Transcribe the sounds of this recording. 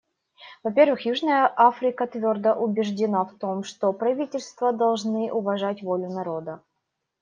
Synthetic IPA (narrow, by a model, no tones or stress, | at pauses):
vɐpʲe̞rvɨxjuʐnəjəʔafɾʲɪkət̪vʲo̞rd̪əʔʊbʲɪʐdʲɪnaft̪o̞mʂt̪opɾɐvʲitʲɪlʲst̪vəd̪ɐlˠʐnɨʔʊvɐʐatʲvolʲʊnɐɾod̪ə